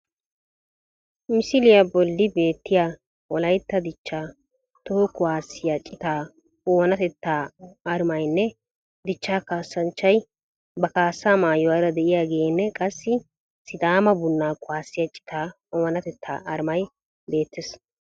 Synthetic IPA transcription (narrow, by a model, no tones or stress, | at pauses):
mɪsɪlɪjabɔlːɪbe̞ːt̪ːɪjaː | wɔlɐjt̪ːɐd̪ɪt͡ʃːaː | t̪ɔhɔkʊwaːsːɪjat͡ʃʼɪt̪aː | oːnɐt̪ɛt̪ːaːɐɾmɐjnːɛ | d̪ɪt͡ʃːaːkaːsːɐnt͡ʃːɐj | bɐkaːsːaːmaːjɔwaːɾɐd̪ɛʔɪjaːɡeːnːɛkʼɐsːɪ | sɪd̪aːmɐbʊnːaːkʼʊwaːsːɪjɐt͡ʃʼːɪ̥t̪aː | ɔːnɐt̪ɛt̪ʰːa̰ːʔɐɾmɐj | be̞ːt̪ʰːɪs